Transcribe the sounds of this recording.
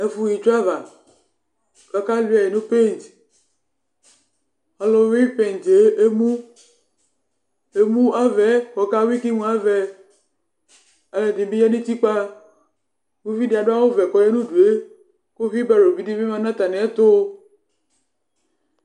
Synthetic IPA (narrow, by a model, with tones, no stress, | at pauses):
e˦fu˦ji˨t͡ʃo˦a˦va˨ | ka˨ka˦li˦a˨e˨nõ˦pe˦˨n˨t | ɔ˨lo˦wi˦pe˦˨n˨t͡ʃe˦e˦mũ˦ | e˨mũ˦a˦vɛ˨˦xɔ˨ka˦wi˦ki˦mũ˨˦a˦vɛ˨ | a˨lɛ˨d̪i˨bi˦jɛ˦nĩ˦t̪i˦k͡pa˦ | wu˦vi˦di˨a˨ɖo˦a˦wo˦vɛ˨kɔ˨je˦nũ˦du˨e˦ | ko˦vi˦bɛ˦˨ɾo˨vi˦di˦vi˦mã˦nã˦t̪a˨nɛ̃˨ɛ˦t̪o˦